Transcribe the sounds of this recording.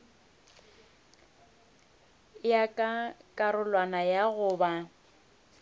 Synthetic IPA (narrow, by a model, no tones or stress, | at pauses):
jakʼakʼaɾʊlwanajaɣʊːba